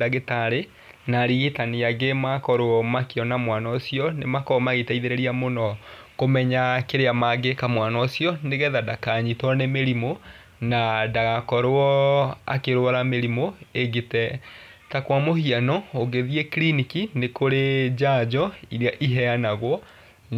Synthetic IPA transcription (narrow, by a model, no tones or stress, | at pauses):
daɣetaɾe | naɾiɣetaneaɡemakɔɾoɔmakeɔnamwanɔsiɔnemakɔmaɣetaiðeɾeɾiamonɔkomɛɲakeɾeamaɡekamwanɔːsjɔneɣɛðadakaɲitɔnemeɾimo | nadaɣakɔɾoɔa̰keɾwaɾameɾimoeɡetɛ | takwamohianɔoɡeðiɛklinikinekoɾed͡ʑad͡ʒɔiɾeaʔiɦɛanaɣwɔ